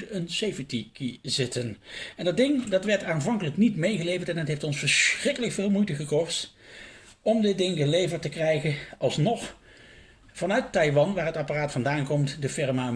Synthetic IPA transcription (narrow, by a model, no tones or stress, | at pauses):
ənsejfətikizɪtənɛndɑdɪŋdɑtʋɛɹtaːnvɑŋkələknitmejɣəlejvəɹtɛnɦətɦejftɔnsfəɹsrɪkələkfɪːlˠmujtəχəkɔst | ɔmdɪt̚dɪŋɡəlejvəɹtəkrɛjχəʔɑlˠsnɔχ | v̥ɑnœɥttɑjʋɑnʋaːɹɦətaparaːtfɑndaːnkɔmtdəfɪɹma